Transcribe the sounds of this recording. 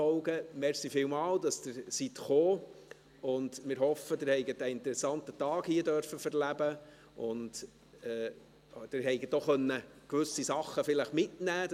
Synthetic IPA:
ɔʊɡəmɛɾsifɪlmɑːldɑsd̥ɪɾsitχoː | ʊndmɪːɾhɔfədɪɾhɛɪɡətæɪntəɾɛsɑntətɑːɡhiədœɾfəfɛɾlæb̥ə | ʔʊnd | ɛː | d̥ɪɾɦɛɪɡətdoχœnːəkʋʏsisɑχːəfɪləχmɪtnæː

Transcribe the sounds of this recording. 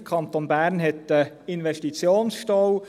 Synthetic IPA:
kʰɑnt̪onbæːɾnɦɛt̪ə | ɪnʋɛʃtit͡sjoːnsʃtɔw

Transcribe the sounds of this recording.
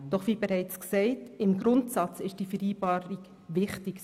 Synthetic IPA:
d̥ɔχʋiːbɛɾɛɪt͡sksɛɪtɪmɡɾʊntsɑt͡sɪʃd̥ifəɾiːbɑːɾiɡ | ʋɪχtɪk

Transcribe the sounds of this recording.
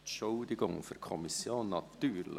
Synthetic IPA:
ʃɔʊd̪ɪɡʊŋfɔɾkʰɔmɪsjoːnːɑt̪ːyːɾl

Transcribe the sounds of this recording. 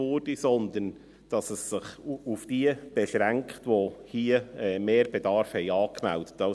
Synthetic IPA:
oːɾd̥isɔnd̪ən | d̥ɑsəsːɪχufd̥iəb̥ɛʃɾæŋktʋohiəɛːmeːɾb̥edɑɾfhɛɪɑːkmæ̰ld̥ə̥tːɑ

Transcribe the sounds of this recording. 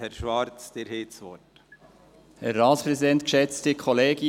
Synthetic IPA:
hɛɾʃʋɑɾt͡sd̪̥ɪɾɦeːtsʋɔt | hɛɾːɑːtspɾɛsidɛnt̪kʃɛt͡stɪkʰɔleːɡi

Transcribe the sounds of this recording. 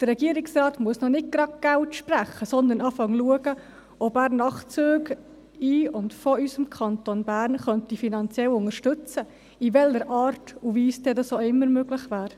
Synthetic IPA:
d̥əɾːɛɡ̥iəɾɪksɾɑːtmuəsnɔnɪt̚ɡ̥ɾɑɡ̚ɡ̥altʃpræχəsɔnd̪ənɑːfɑŋluəɡə | ɔbæːɾnɑχt͡søːɡ | iʊndfɔysəmkʰɑntonbæːɾnχœntifinɑnt͡sjɛlʊŋəɾʃtʏt͡sə | ivɛləɾʔɑːɾtuviːsd̥ɛdɑsoɪmːəɾmøɡlɪχvæːɾ

